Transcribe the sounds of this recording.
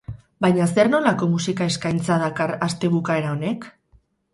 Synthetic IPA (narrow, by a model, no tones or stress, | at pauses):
bajɲas̬eɾno̞lako̞musikae̞skajnt͡sað̞akarast̪e̞β̞ukae̞ɾaone̞k